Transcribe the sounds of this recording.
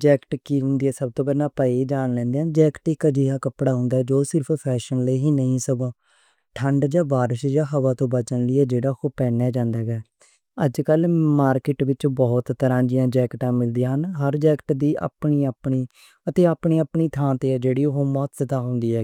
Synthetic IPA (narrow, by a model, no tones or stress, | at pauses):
d͡ʒɛːkʈkiːɦʊ̃nd̪iːɛːsəb̚t̪oːpɛnaːpəːid͡ʒaːnlɛ̃ːnd̪eːaːnd͡ʒɛːkʈɪkd͡ʒiːɦaːkəpɽaːɦʊ̃ːnd̪aːɛd͡ʒoːsɪɾpʰpʰɛːʃənleːɦiːnəɦĩːsəɡaː | ʈʰəɳɖd͡ʒãːbaːɾɪʃd͡ʒaːɦəʋaːt̪õːbət͡ʃənlɪɛːd͡ʒeːɽaːkoːpɛːnɛːd͡ʒãːnd̪aːɡɛː | əd͡ʒkəlmaːɾkɪʈʋɪt͡ʃbɔːt̪ːəɾãːd͡ʒɪjãːd͡ʒɛːkʈãːmɪld̪ijãːɦənɦəɾd͡ʒɛːkʈd̪iːʔa̰ːpɳiːəːpɳiː | ət̪eːaːpɳiːəpɳiːt̪ʰãːt̪eːɛːd͡ʒeːɽiːɦoːmɔːt̪sət̪aːɦʊ̃ːnd̪iːɛː